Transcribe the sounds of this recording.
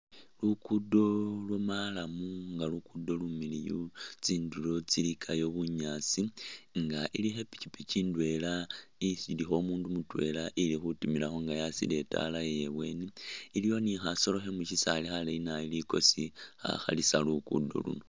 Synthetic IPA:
lukudo̞lwomalamuŋɡalukudo̞lumilijut͡siːndulo̞t͡silikʰajo̞βuɲat͡siŋɡaʔilixe̞pi̥cipit͡ʃiːndwe̞laisilixo̞muːndumutwe̞̰laʔilixutumilaxo̞ŋɡajasḭle̞ta̰lajeje̞βwe̞niːlijo̞nixaso̞lo̞xemuʃisalixaleinailiko̞sixa̰xa̰lisalukṵdo̞̰lṵno

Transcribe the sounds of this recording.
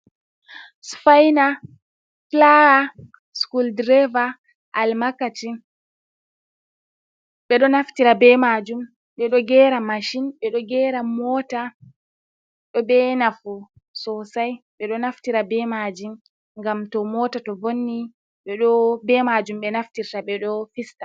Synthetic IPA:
sfajna | flaɾa | skuldɾɛva | ʔalmakati | ɓɛɗɔnaftiɾabɛmad͡ʒum | ɓɛɗɔɡɛɾamaʃinɓɛɗɔɡɛːɾamɔta | ɗɔbɛnafu | sɔsajɓɛɗɔnaftiɾabɛmad͡ʒim | ŋɡamtɔmɔtatɔvonːi | ɓɛɗɔbɛmad͡ʒumɓɛnaftiɾtaɓɛɗɔfistḁ

